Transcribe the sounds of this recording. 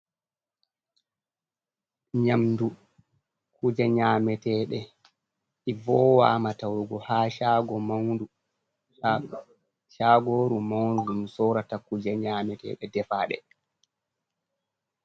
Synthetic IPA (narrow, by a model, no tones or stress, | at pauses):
ɲamdu | kud͡ʒɛɲaːmɛtɛɗɛ | ʔivɔːwa̰ːmatawɾuɡɔhaːʃaɡɔmawndu | ʃaːɡoɾumawndud͡ʒumsɔɾatakud͡ʒɛɲamɛtɛ̰ːɗɛdɛfaːɗɛ̰